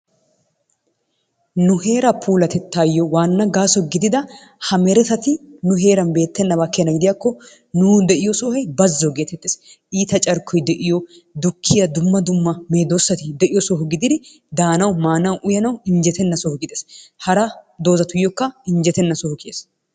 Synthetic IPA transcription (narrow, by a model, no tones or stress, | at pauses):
nʊhe̞ːɾɐpʰuːlɐt̪ɛt̪ːaːjːɔwaːnːɐɡaːsɔɡɪd̪ɪd̪ɐ | hɐmɛɾɛt̪ɐt̪ɪnʊɦe̞ːɾɐnbe̞ːt̪ːɛnːɐbaːkːejɐnːɐɡɪd̪ɪjaːkːɔ | nʊːd̪ɛʔɪjɔsoːhɛjbɐzːɔɡe̞ːt̪ɛt̪ːeːs | ʔiːt̪ɐt͡ʃʼɐɾkʰːɔjd̪ɛʔɪjɔ | d̪ʊkʰːɪjɐd̪ʊmːɐd̪ʊmːɐmeːd̪oːsːɐt̪ɪd̪ɛʔɪjɔsɔɦɔɡɪd̪ɪd̪ɪ | d̪aːnɐwmaːnɐwʔʊjɐnɐwɪɲd͡ʒɛt̪ɛnːɐsɔhɔɡɪd̪ɛshɐɾɐd̪o̞ːzɐt̪ʊjːɔkːɐɪnd͡ʒɛt̪ɛnːɐsɔhɔkɪeːs